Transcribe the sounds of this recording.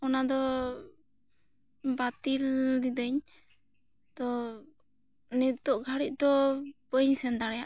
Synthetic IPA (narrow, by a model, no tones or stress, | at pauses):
ɔnad̪ɔ | bat̪ild̪id̪əɲ | t̪ɔ | nɛt̪ɔʔɡʱaɽic̚d̪ɔbəɲsɛnd̪aɽɛja̰ʔ